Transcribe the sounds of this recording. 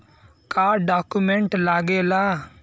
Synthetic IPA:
kaːɾɖaːkumẽɳʈlaːɡela

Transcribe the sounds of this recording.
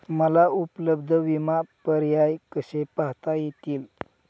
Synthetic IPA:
məlaupləbd̪ʱəʋimapəɾjajkəsepaɦt̪ajet̪iːl

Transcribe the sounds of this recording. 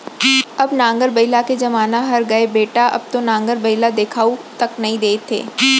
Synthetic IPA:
ɐbnãːŋɡəɾbɐɪlaked͡ʒɐmaːnaɦɐɾɡɐebeːʈaʔɐ̰b̚t̪onãːŋɡəɾbɐɪlad̪eːkʰaːut̪ɐknɐɦĩd̪eːt̪ʰːḛː

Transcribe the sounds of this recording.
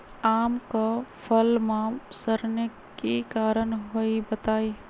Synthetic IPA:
aːmkapʰəlmãsəɾne | kikaːɾənɦoibət̪aːi

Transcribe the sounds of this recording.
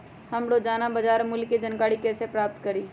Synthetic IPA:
hɐmɽod͡ʒaːnabad͡ʒaːɾmʊlked͡ʒɐnkaːɽikɛːsepɾaːp̚t̪kɐɾiː

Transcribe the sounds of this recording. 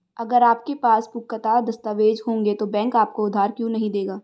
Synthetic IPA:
ɐɡəɾaːp̚kepaːspʊkːət̪ad̪ɐst̪aʋeːd͡ʒɦõːŋ̆ɡet̪obɛ̃ːŋkaːp̚koʊd̪ʱːaːɾkjũːnɐɦĩd̪eːɡaː

